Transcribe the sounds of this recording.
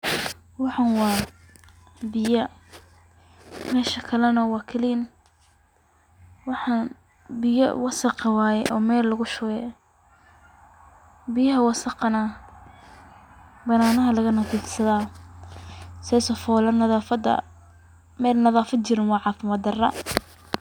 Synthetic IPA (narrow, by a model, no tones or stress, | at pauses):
wɑħɑnwɑː | bɪjɐ | mɛːʃɐkʰɐlɐnɐwɑːkʰɐlin | wɑħɑn | bɪjɐ̰wɑsɐqɑwaːjɛʔɔ̰ːmɛːlːɐɣʊʃʊɣɛ | bɪjɐɦɐwɑsɐqɐnɐ | bɐnaːnɐɦɐlɐɣɐnɐtiːt̪sɐðaː | sɛːsɔfɔːlɐnɐðafɐd̪ɐ̰ | mɛːlnɐðaːfɐd̪̚t͡ʃɪɾɪnwɑːʕɑːfɪmɐd̪ɐrɐ̰